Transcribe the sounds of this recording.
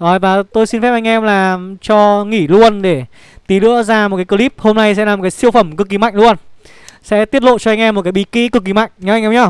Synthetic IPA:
ʔo˨˩jvaː˨˩t̪o˧jsi˧nfɛ˦˥p̚ʔa˧ŋ̟ʔɛ˧mlaː˨˩t͡ɕɔ˧ŋi˧˩lu˧ənɗe˧˩ | t̪i˨˦lɨ̰˧˥əzaː˧mo˨˩kaː˨˦jkə˧li˦˥p̚ho˧mna˧jsɛ̰˧˥laː˨˩o˨˩kaː˨˦jsi˧əwfə˧˩mkɨ˨˩kːi˨˦ma̰˧˨jŋ̟lu˧ən | sɛ̰˧˥t̪i˦˥ət̚lo̰˧˨t͡ɕɔ˧ʔa˧ŋ̟ʔɛ˧mo˨˩t̚kaː˨˦jɓi˧˩ki˨˦kɨ˨˩k̚ːi˨˩ma̰˧˨jŋ̟ɲa˨˦ʔa˧jŋʔɛ˧mɲɔ˧˩

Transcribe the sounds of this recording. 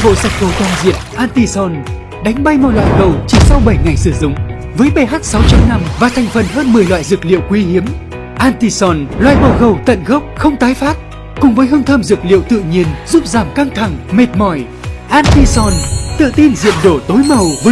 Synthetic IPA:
vo̰˧˨sa˨˩jk̟̚fo˨˧˦t̪waː˧˩nzḭ˧˨əmʔaː˧nt̪i˧sɔ˧˩n | ɗa˨˦jŋ̟ɓa˧jmɔ˨˧˩lwa̰ː˧˨jɣə˨˩wt͡ɕi˧˦sa˧wɓə˧˩jŋa˨˩jsɨ˧˩zʊ̰˧˨ŋ͡m | vəː˨˦jɓe˧˩ɦaː˦˥t̚sa˨˦wt͡ɕɔ˧na˧mvaː˨˩t̪ʰɛ˨˩jŋ̟fə˨˩nhəː˧nmɨ˨˩əjlwa̰ː˧˨jzɨ˨˩k̚lḭ˧˨əwkwi˨˦hi˨˦əm | ʔaː˧nt̪i˧sɔ˧˩nlwa̰ː˧˨jmɔ˨˩ɣə˨˩wt̪ə̰˧˨nɣə˦˥wk͡p̚xə˧wŋ͡mt̪aː˨˦jfaː˦˥t̚ | kʊ˨˩ŋ͡mvəː˨˦jɦɨ˧ŋt̪ʰəː˧mzɨ˨˩k̚lḭ˧˨əwt̪ɨ̰˧˨ɲi˧ənzu˦˥p̚zaː˧˩mka˧ŋt̪ʰa˧˩ŋme˨˩t̚mɔ˧˩j | ʔaː˧nt̪i˧sɔ˧˩nt̪ɨ̰˧˨t̪i˧nzḭ˧˨əmɗo˧˩t̪o˨˦jmə˨˩wvə˨˦

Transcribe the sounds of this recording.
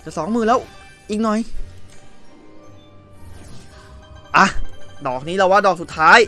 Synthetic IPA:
t̪ɛː˨˩sɔː˩˦ŋmɯː˨˩lɛː˦˥w | ʔiː˨˩k̚nɔ˨˩j | ʔa˧˩dɔː˨˩k̚niː˦˥la˧˩waː˧˥˩dɔː˨˩k̚su˨˩t̪ʰːaː˦˥j

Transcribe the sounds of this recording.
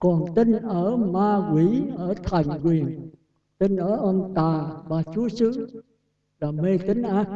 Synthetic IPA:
kɔ˨˩nt̪ï˧ŋ̟ʔəː˧˩maː˧kwi˨˧˥ʔəː˧˩t̪ʰa˨˩jŋ̟kwi˨˩ən | t̪i˧ŋ̟ʔəː˧˩ʔə˧nt̪aː˨˩ɓaː˨˩t͡ɕu˨˦əsɨ̰˧˥ | laː˨˩me˧t̪ï˨˦ŋ̟ʔaː˧˥

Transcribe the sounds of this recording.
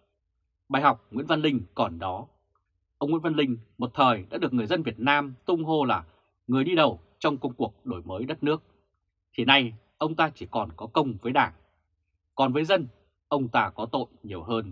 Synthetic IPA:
ɓaː˨˩jɦa˨˩wk͡p̚ŋwḭ˧˥nva˧nlï˧ŋ̟kɔ˨˩nɗɔ˨˦ | ʔə˧wŋ͡mwḭ˧˥nva˧nlï˧ŋ̟mo˨˩t̚t̪ʰəː˨˩jɗa̰ː˧˥ɨ˨˩ək̚ŋ˨˩əjzə˧nvi˨˩ət̚naː˧mt̪ʊ˧ŋ͡mɦo˧laː˨˩ | ŋɨ˨˩əjɗi˧ɗə˨˩w | t͡ɕɔ˧wŋ͡mkə˧wŋ͡mku˨˩ək̚ɗo˧˩jməː˨˦jɗə˦˥t̚nɨ˦˥ək̚ | t̪ʰi˨˩na˨˩j | ʔə˧wŋ͡mt̪aː˧t͡ɕi˧˩kɔ˨˩nkɔ˨˦kə˧wŋ͡mvəː˨˦jɗaː˧˩ŋ | kɔ˨˩nvəː˨˦jzə˧n | ʔə˧wŋ͡mt̪aː˧kɔ˨˦t̪o̰˧˨jɲi˨˩əwɦəː˧n

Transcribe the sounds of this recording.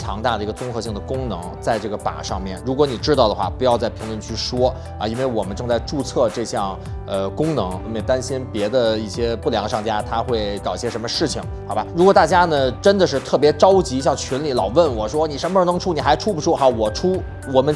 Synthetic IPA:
jɑ̰˧˥ŋt̪a˥˩d̪ə˩i˧˥ɡə˧t͡sʊ˥ŋxɤ˧˥ɕi˥˩ŋd̪ə˩kʊ˥ŋnɤ˧˥ŋt͡sa˥˧ɪʈ͡ʂɤ˥˩ɡə˩pa̰˨˩ʂɑ̰˥˧ŋmjɛ˥˩nɻu˧˥kwɔ˧˥ni˨˩ʈ͡ʂɻ̩˥t̪ɑ˥˩ʊə˩xwa̰˥˩pu˧˥jɑ˥˧ʊt͡sa˥˩ɪpʰi˧˥ŋlwə˥˧nt͡ɕʰy˥˩ʂwɔ˥ | ɐ̰˧i˥nwe˥˩ɪwɔ˨˩mə˦nʈ͡ʂɤ˥˧ŋt͡sa˥˧ɪʈ͡ʂu˥˧t͡sʰɤ˥˧ʈ͡ʂɤ˥˧ɕjɑ˥˩ŋ | ə˧kʊ˥ŋnɤ˧˥ŋ˧˥˩mɛ˥˩t̪a˥nɕi˥npjɛ˧˥d̪ə˧i˥˩ɕjɛ˥pu˥˩ljɑ˧˥ŋə˧ʂɑ˥˩ŋt͡ɕja˥t̪ʰa˥xwe˥˩ɪkɑ˨˩ʊi˥˩ɕjɛ˥ʂə˧˥nmə˧ʂɻ̩˥˩t͡ɕʰi˩ŋxɑ˧˥ʊba˧˩ɻu˧˥kwɔ˨˩t̪a˥˩t͡ɕja˥nə˨ʈ͡ʂə˥nd̪ə˨ʂɻ̩˥˧t̪ʰɤ˥˩p̬jɛ˧˥ʈ͡ʂɑ˥ʊt͡ɕi˧˥˧ɕjɑ˥˩ŋt͡ɕʰy˧˥nli˧˩lɑ˨˩ʊwə˥˩nwɔ˨˩ʂwɔ˥ni˨˩ʂə˧˥mə˧ə˧˥˩n˧˥ŋʈ͡ʂʰu˥ni˨˩xa˧˥ɪʈ͡ʂʰu˥pu˧˩ʂʰu˥˩xɑ˧˥˩wɔ˨˩ʈ͡ʂʰu˥ | wɔ˨˩mə˦n

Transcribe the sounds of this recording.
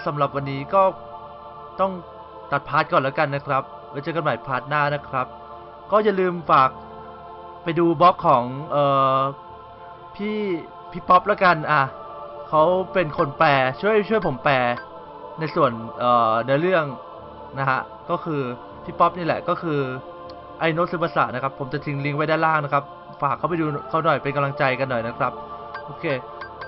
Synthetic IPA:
sa˩˦mɾa˨˩p̚wa˧nːiː˦˥kɔː˥˩ | t̪ɔ˥˩ŋ | t̪a˨˩t̪̚pʰaː˦˥t̪̚kɔː˨˩nlɛ˦˥ka˧nːa˦˥kʰɾa˦˥p̚ | aː˧˦t͡ɕaː˧˩ka˧nmaː˩˦jpʰaː˦˥t̪̚naː˥˩na˦˥kʰɾa˦˥p̚ | kɔː˥˩ja˨lɯː˧mfaː˨˩k̚ | pa˧jduː˧bɔ˦˥kʰːɔː˩˦ŋʔɤː˨˩ | pʰiː˥˩ | pʰi˦˥pɔ˦˥p̚lɛː˦˥ka˧nʔa˧˩ | kʰa˦˥wpe˧nkʰo˧nplɛː˧t͡ɕʰu˥˩əjt͡ɕʰu˥˩əjpʰo˩˦mplɛː˧ | na˧jsu˨˩ənʔɤː˨˩a˧˥˦ɾɯ˥˩əŋ | na˦˥a˦˥ʔ | kɔː˥˩kʰɯː˧ | pʰiː˦˥˩pɔ˦˥p̚niː˥˩lɛ̰˨˩kɔː˥˩kʰɯː˧ | ʔa˧jno˦˥sɯ˨˦pa˧sa̰˨˩na˦˥kʰa˦˥pʰːo˩˦mt͡ɕa˨˩t̪ʰi˧ŋli˦˥ŋwa˦˥jdaː˥˩laː˥˩ŋna˦˥kʰɾa˦˥p̚ | faː˨˩kʰːa˦˥wpa˧jduː˧kʰa˦˥wnɔ˨˩jpe˧nka˧mla˧ŋt͡ɕa˧jka˧nːɔ˨˩jna˦˥kʰɾa˦˥p̚ʔoː˧kʰeː˧

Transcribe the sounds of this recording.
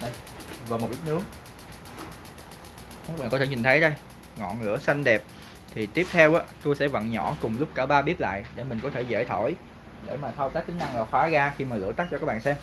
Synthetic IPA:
ɗə˧j | vaː˨˩mo˨˩ʔi˦˥nɨ˨˦ə | kaː˦˥k̚ɓa̰˨nkɔ˦t̪ʰe˧˩ɲi̟˨˩ə˨˦jɗə˧j | ŋɔ̰˧˨nŋɨ̰˧˥əsa˧jŋ̟ɗɛ˨˩p̚ | t̪ʰi˨˩t̪i˦˥əp̚t̪ʰɛ˧wʔaː˨˦˥t̪o˧jsɛ̰˧˥və̰˧˨nɲɔ˧˩kʊ˨˩ŋ͡mlʊ˦˥k͡p̚kaː˧˩ɓaː˧ɓi˦˥p̚la̰ː˧˨jɗe˧˩mï˨˩ŋ̟kɔ˨˦t̪ʰe˧˩zḛ˧˩t̪ʰɔ˧˩j | ɗḛ˧˩maː˨˩t̪ʰa˧wt̪aː˦˥k̚kï˨˦ŋ̟ʔa˧ŋlaː˨˩xwaː˨˦ɣaː˧xi˧maː˨˩lɨ̰˧˥ət̪a˦˥k̚t͡ɕɔ˧kaː˦k̚ɓa̰ː˧˨nsɛ˧m

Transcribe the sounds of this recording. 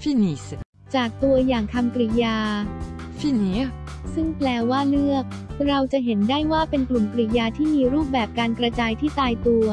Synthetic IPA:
fi˧˥ni˨˦˩s | t͡ɕaː˨˩k̚t̪u˧ɐjaː˨˩ŋk̪ʰa˧mkɾi˧˩jaː˧ | fi˥˩ni˦˥ | sɯ˥˩ŋplɛː˧waː˥˩lɯ˥˩ək̚ | ɾa˧wt͡ɕa˨˩ɦe˩˦ndaː˥˩jwaː˥˩pe˧nklu˨˩mkɾi˨˩jaː˧t̪ʰiː˥˩miː˧ɾuː˥˩p̚bɛː˨˩p̚kaː˧nkɾa˧t͡ɕaː˧jt̪ʰiː˥˩t̪aː˧jt̪u˧ɐ

